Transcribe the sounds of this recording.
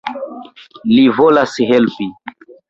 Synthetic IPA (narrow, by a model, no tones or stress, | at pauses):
livolashɛlpi